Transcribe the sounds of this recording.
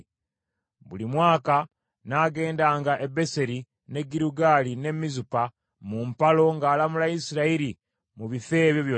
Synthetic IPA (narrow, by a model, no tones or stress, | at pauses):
βṵlimwaːka | naɡe̞ːndaːŋɡaʔebe̞se̞ɾi | ne̞ɡiɾuɡaːline̞mizupa | mumpalo̞ŋɡaːlamulaisiɾaiɾi | muβife̞ːβjoβjoː